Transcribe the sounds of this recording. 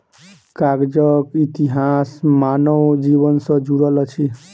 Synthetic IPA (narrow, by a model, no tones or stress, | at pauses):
kaɡd͡ʒəkit̪iɦasmanəwd͡ʒibənsʌ̃d͡ʒuɾələt͡ʃʰi